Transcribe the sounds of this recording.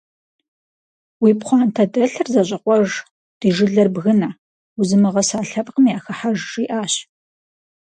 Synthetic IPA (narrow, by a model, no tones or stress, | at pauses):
wiːpχʷɑːntʰɐdɐɬɨrzɐɕʷʼɐqʷʼɔʒ | d̥iːʒɪɮɐrbɣɨna | wuzɨmɨʁɐsaːɬɐpʼqəmijaːxɐħaʒʂiːʔaːɕ